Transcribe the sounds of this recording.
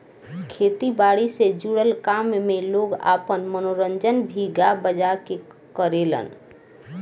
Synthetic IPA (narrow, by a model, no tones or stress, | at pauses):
kʰet̪ibaɽised͡ʒuɽəlkammeloɡa̰pənmənoɾənd͡ʒənbʱiɡabəd͡ʒake | kəɾelə̰n